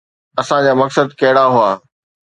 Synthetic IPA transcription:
ɐsãd͡ʑaːmɐksəd̪kɐɦɪɽaɦuaː

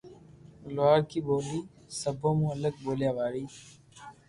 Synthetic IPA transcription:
lʊwaːɾkiːɓoːliː | səbʱõːmũːələɡ̚boːljaːʋaːɽiː

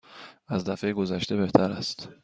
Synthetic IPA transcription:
æzd̪æfe̞jeɡo̞zæʃt̪e̞be̞ht̪ʰæɾæst̪

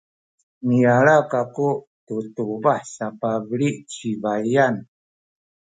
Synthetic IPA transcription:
mijaɭakaku | tutubaħsapabəɭiʔt͡ʃivajan

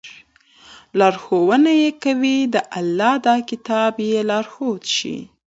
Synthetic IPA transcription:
lɑɾxowənajekawid̪əʔalːɑd̪ɑkɪt̪ɑbjelɑɾxod̪ʃḭ

